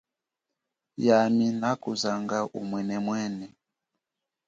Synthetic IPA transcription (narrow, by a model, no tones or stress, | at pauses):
jaminakuzaŋɡaʔṵmwɛnɛmwɛnɛ